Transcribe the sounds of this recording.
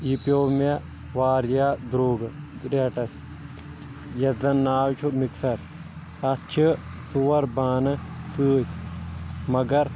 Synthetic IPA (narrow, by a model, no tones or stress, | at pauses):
ipjoːme | ʋaːɾjad̪ɾoːɡ | ɾeʈɐs | jɐzɐnːaːwt͡ʃʰumiksɐɾ | ɐt͡ʃʰisuʋɐɾbaːnɨsɨːtʰ | mɐɡɐɾ